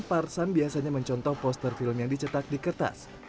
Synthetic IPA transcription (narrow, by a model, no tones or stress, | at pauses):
parsambiasaɲaməɲt͡ʃɔnt̪ɔhpɔst̪ərfilmjaŋdit͡ʃət̪ak̚dikərt̪a̰s